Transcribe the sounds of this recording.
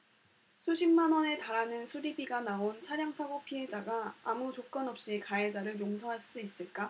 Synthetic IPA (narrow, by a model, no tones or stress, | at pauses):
sʰuɕʰimmanwʌne̞taɾanɯnsʰuɾibiɡanaont͡ɕʰaɾjaŋsʰaɡopʰiɦe̞d͡ʑaɡaamut͡ɕok͈ʌnʌp̚ɕ͈ikae̞d͡ʑaɾɯɭjoŋsʰʌɦaɭs͈uis͈ɯɭk͈a